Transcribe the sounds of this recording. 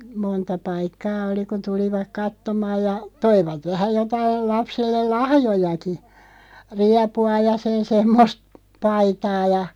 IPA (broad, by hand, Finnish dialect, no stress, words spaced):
montɑ pɑikːɑː oli kun̞ tuliʋɑk kɑtːomɑːj jɑ toiʋɑt ʋæhæ jotɑil lɑpselːel lɑhjojɑki riɑpuɑ jɑ sen semːost pɑitɑː jɑ